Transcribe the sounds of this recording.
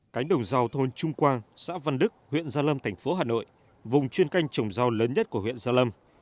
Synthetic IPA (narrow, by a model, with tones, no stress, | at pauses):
ka˨˦jŋ̟ɗə˨˩wŋ͡mza˧wt̪ʰo˧nt͡ɕʊ˧ŋ͡mkwaː˧nsa̰ː˧˥və˧nɗɨ˦˥k̚hwḭ˧˨ənzaː˧lə˧mt̪ʰɛ˨˩jŋ̟fo˨˦ɦaː˨˩no̰˧˨j | vʊ˨˩ŋ͡mt͡ɕwi˧ənka˧jŋ̟t͡ɕə˨˩wŋ͡mza˧wləː˨˦nɲə˦˥t̚ku˧˩əhwḭ˧˨ənzaː˧lə˧m